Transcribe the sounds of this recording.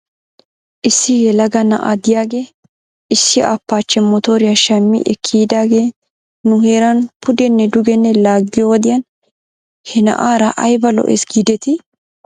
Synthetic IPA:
ʔɪsːɪjɛlɐɡɐnɐ̰ʔa̰d̪ɪjaːɡe̞ː | ɪsːɪʔɐpːaːt͡ʃːɛmːɔt̪oːɾɪjaʃɐmːɪ̰ʔɛkʰːiːd̪aːɡe̞ː | nʊheːɾɐnpʊd̪ɛnːɛd̪ʊɡɛnːɛlaːɡːɪjɔwɔd̪ɪjɐn | hɛnɐ̰ʔaːɾɐʔɐjbɐlɔ̰ʔesɡiːd̪ɛt̪ɪ

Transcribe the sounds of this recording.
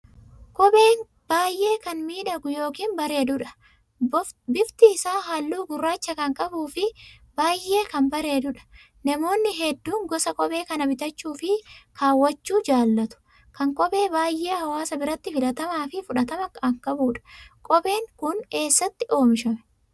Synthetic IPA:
kʼɔbeːŋ | b̥aːjʔe̞ːkɐnmiːᶑɐɡʊjo̞ːkiːmbɐɾe̞ːd̪ʊᶑɐ̥ | bɪft̪ɪːsaːɦalːuːɡʊrːaːt͡ʃːɐkɐŋkʼɐbuːfɪbaːjʔːe̞ːkɐmbɐɾe̞ːd̪ʊᶑɐ̥ | nɐmo̞ːnːɪɦɛd̪ːuːŋɡɔsɐkʼɔbeːkɐnɐbɪt̪ɐt͡ʃːuːfɪkʰaːwːɐt͡ʃːuːd͡ʒaːlːɐt̪ʊ̥ | kɐŋkʼɔbe̞ːbaːjːʔe̞ːhɐwaːsɐbɪɾɐt̪ːɪfɪlɐt̪ɐmaːfɪfʊᶑɐt̪ɐmɐkɐŋkʼɐbuːᶑɐ̥kʼɔbe̞ːŋkʊnke̞ːsːɐt̪ːɪʔo̞ːmɪʃɐmɛ̥

